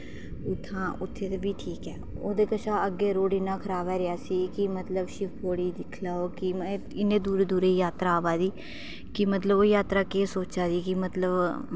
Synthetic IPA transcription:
ʊt̪ʰːãːʊt̪ʰːeːt̪ebiːʈʰiːkɛːoːd̪eːkəʃãːəɡːeːɾoːɽiːnãːkʰəɾaːbɛːɾɪaːsiːkɪmət̪ləbʃɪpʰoːɽiːd̪ɪkʰlaːoːkɪmː | ɪnːẽːd̪uːɾeːd̪uːɾeːjaːt̪ɾaːʋaːd̪iː | kɪmət̪ləboːjaːt̪ɾaːkeːsoːt͡ʃaːd̪iːkɪmət̪ləb

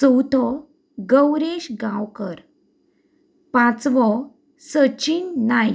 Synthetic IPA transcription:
səwt̪ʰɔ | ɡəwɾeɕɡãwkəɾ | pãt͡sʋɔ | sət͡ɕinːaj

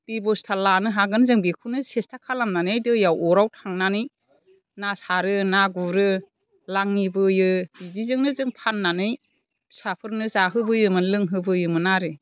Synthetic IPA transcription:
b̥ibɔstʰalanɯɦaɡɯnzɯŋbekʰunɯsestʰakʰalamnanɯjdɯjawɔɾawtʰaŋnanɯj | nasaɾɯnaɡuɾɯ | laŋːibɯjɯbidizɯŋnɯzɯŋpʰanːanɯj | sapʰɯɾnɯzaɦɯbɯjɯmɯnlɯŋɦɯbɯjɯmɯnaɾɯ

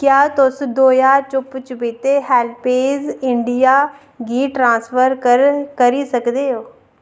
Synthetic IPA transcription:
kjaːt̪ʊsd̪oːjaːt͡ʃʊpt͡ʃəbeːt̪eːɦɛːlpeːzɪɳɖijaː | ɡiːʈɾãːspʰəɾɾkəɾiːsəkd̪eːɦoː

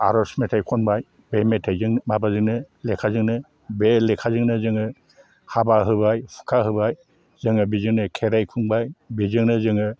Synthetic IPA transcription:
a̰ɾɔsmetʰajkʰɔnbaj | bemetʰajzɯŋmabazɯŋnɯ | lekʰazɯŋnɯ | belekʰazɯŋnɯzɯŋɯ | habaɦɯbajpʰu̥kʰaɦɯbaj | z̥ɯŋɯbizɯŋnɯkʰeɾajkʰuŋbajbizɯŋnɯzɯŋɯ

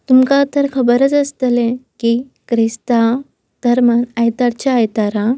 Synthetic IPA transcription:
t̪umkat̪əɾkʰəbəɾət͡səst̪əlẽkikɾist̪a | d̪̥əɾmanajt̪aɽt͡ɕaːjt̪aɾa

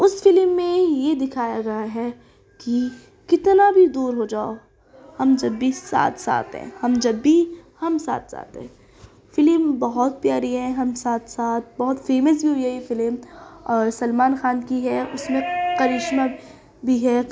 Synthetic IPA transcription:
ʊsfɪlmːẽjed̪ɪkʰaːjaɡɐjaɦɛ | ki | kɪt̪nabʱid̪uːɾɦod͡ʒaːo | hɐmd͡ʒɐbːisa̰ːt̪ʰsa̰ːt̪ɦɛ̰̃hɐmd͡ʒɐbːihɐmsa̰ːt̪sa̰ːt̪ɦɛ̰̃ | fɪlmbɐɦɔt̪̚pjaːɾiɦɛɦɐmsaːt̪ʰsaːt̪̚ʰbɐɦʊt̪feːməs̬bʱiɦoiɦɛjefɪlmɔːɾsɐlmaːnxaːnkiɦɛʔʊsmẽqɐɾɪʃma | bʱiɦɛ

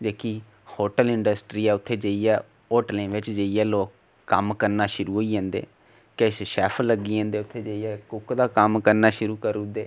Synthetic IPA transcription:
d͡ʒeːkiː | hoːʈəlɪɳɖəsʈɾiːɛːʊt̪ʰːeːd͡ʒeːiːɛː | oːʈlẽːʋɪt͡ʃd͡ʒeːiːɛːloːkː | əmkəɾnaːʃʊɾuːɦoːiːãːnd̪ḛː | kesʃɛːpʰləɡːiːɛ̃ːnd̪eːʊt̪ʰːeːd͡ʒeːiɛːkʊkd̪aːkəmkəɾnaːʃʊɾuːkəɾuːd̪eː

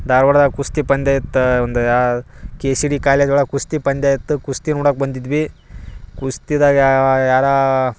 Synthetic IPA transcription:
d̪aːɾʋɐɽd̪aːkust̪ipɐnd̪aːjit̪ːond̪u | keːsiɽikaːled̪uːɭɐkust̪ipɐnd̪jaːjit̪ːɨkust̪inoːɽɐːk̚bɐnd̪id̪ʋi | kust̪id̪aajaːɾa

